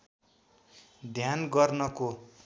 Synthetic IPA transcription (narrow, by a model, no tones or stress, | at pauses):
d̪ʱjanɡʌrnʌko